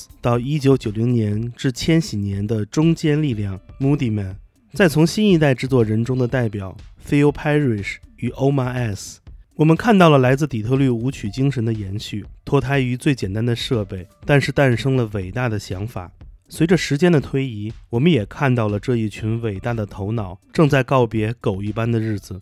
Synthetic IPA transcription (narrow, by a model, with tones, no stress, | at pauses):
t̪ɑ˥˩ʊi˥t͡ɕjo˧˥ʊt͡ɕjo˨˩ʊli˧˥ŋnjɛ˧˥nʈ͡ʂɻ̩˥˩t͡ɕʰjɛ˥nɕi˨˩njɛ˧˥nd̪ə˧ʈ͡ʂʊ˥ŋt͡ɕjɛ˥nli˥˧ljɑ˥˩ŋmu˥t̪i˥˩mə˨˩n | t͡sa˥˩ɪt͡sʰʊ˧˥ŋɕi˥ni˥˧t̪a˥˩ɪʈ͡ʂɻ̩˥˧t͡swɔ˥˩ɻə˧˥nʈ͡ʂʊ˥ŋd̪ə˨t̪a˥˩ɪpjɑ˨˩˦ʊfe˥ɪo˥ʊpʰa˥ɪɹi˥˩ʂy˨˩ʔo˥ʊma˥˧ɛ˥˩swɔ˨˩mə˦nkʰa˥˧nt̪ɑ˥˩ʊlə˩la˧˥ɪt͡sɹ̩˥˩t̪i˨˩t̪ʰɤ˥˧ly˥˩u˧˥t͡ɕʰy˨˩t͡ɕi˥ŋʂə˧˥nd̪ə˧jɛ˧˥nɕy˥˩t̪ʰwɔ˥t̪ʰa˥ɪy˧˥t͡swe˥˩ɪt͡ɕjɛ˨˩nt̪a˥nd̪ə˨ʂɤ˥˧pe˥˩ɪt̪a˥˧nʂɻ̩˥˧t̪a˥˩nʂɤ˥ŋlə˨we˨˩ɪt̪a˥˩d̪ə˩ɕjɑ˧˥ŋfa̰˨˩˦swe˧˥ɪʈ͡ʂə˧ʂɻ̩˧˥t͡ɕjɛ˥nd̪ə˨t̪ʰwe˥ɪi˧˥wɔ˨˩mə˦njɛ˨˩kʰa˥˧nt̪ɑ˥˩ʊlə˩ʈ͡ʂɤ˥˧i˥˩t͡ɕʰy˧˥nwe˨˩ɪt̪a˥˩d̪ə˩t̪ʰo˧˥ʊnɑ˨˩˦ʊʈ͡ʂɤ˥˧ŋt͡sa˥˧ɪkɑ˥˩ʊpjɛ˧˥ko˨˩ʊi˥˩pa˥nd̪ə˨ɻɻ̩˥˩d͡zɹ̩˩